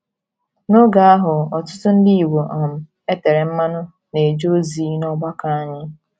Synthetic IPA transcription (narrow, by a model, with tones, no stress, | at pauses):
no˦ɡa˨a˦ɦʊ˨ɔ˨tʊ˦tʊ˦n̩˦di˦i˨wo˨ʔɔ˨m̩˨ | e˦te˨ɾe˨m̩˦ma˦nʊ˦ | ne˨d͡ʒo˦zi˨˦nɔ˦ɡ͡ba˦ka˨a˦˨ɲɪ˦